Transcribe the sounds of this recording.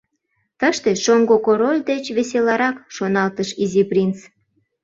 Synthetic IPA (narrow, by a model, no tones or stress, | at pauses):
t̪əʃt̪eʃoŋɡokoɾolʲd̪et͡ɕβeselɑɾɑkʃonɑlt̪əʃiziprʲint͡s